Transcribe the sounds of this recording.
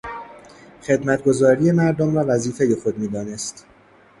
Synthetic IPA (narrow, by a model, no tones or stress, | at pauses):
xe̞d̪mæt̪̚ʰɡo̞zɒːɾije̞mæɾd̪omɾɒːvæziːfe̞je̞xo̞d̪̚miːd̪ɒːne̞st̪